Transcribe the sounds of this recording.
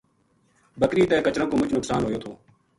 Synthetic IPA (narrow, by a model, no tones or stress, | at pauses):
bəkɾiːt̪ɛːkət͡ʃɾə̃koːmʊt͡ʃnʊksaːnɦoːjoːt̪ʰoː